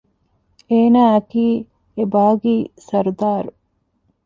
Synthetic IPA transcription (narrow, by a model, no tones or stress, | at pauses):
eːnaːɐkiː | ebaːɡiːsɐɾd̪aːɾu